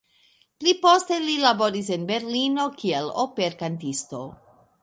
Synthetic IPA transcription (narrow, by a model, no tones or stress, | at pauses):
plipo̞ste̞lilabo̞ɾis̬enbe̞ɾlino̞kielopeɾkantisto̞